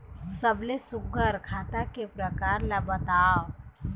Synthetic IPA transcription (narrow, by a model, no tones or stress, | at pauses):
səblesʊɡəɾkʰaːt̪akepɾəkaːɾlabət̪aːo